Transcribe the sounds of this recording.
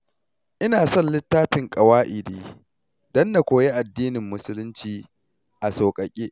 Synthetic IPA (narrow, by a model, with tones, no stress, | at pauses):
ʔɪ˦naː˨sɔ˦˨nlɪ˦tːaː˦ɸɪ˨ŋkʼɐ˨waː˦ʔɪ˨diː˨ | dɔ˦nda˨kʷoː˨je˦ʔa˨dːiː˦nɪ˨mːʊ˦sʊ˦lʊ˦nt͡ʃiː˨ | ʔa˨soː˨kʼɐ˨kʲʼeː˦ʔ